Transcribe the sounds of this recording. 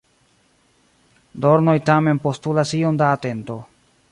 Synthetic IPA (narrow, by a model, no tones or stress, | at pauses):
do̞ɾno̞jtame̞npo̞stulasiondaːte̞nto̞